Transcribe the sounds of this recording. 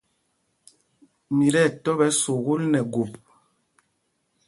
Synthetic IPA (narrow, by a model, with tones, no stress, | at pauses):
mi˨ɾɛ˦˨tɔ˦βɛ˨˦so˨ɣu˦lnɛ˨ɡu˨p